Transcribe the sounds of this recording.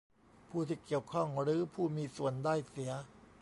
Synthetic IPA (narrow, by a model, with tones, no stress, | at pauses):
pʰuː˥˩t̪ʰiː˥˩ki˨˩əwkʰɔ˥˩ŋɾɯː˩˦pʰuː˥˩miː˧su˨˩əndaː˥˩jsi˩˦ɐ